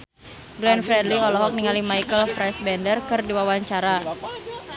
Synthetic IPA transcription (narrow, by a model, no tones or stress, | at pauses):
ɡlɛnfɾɛdliɔlɔɦɔk̚niŋalimajkəlfɾɛsbɛndərkɨrdiwawaɲt͡ʃaɾa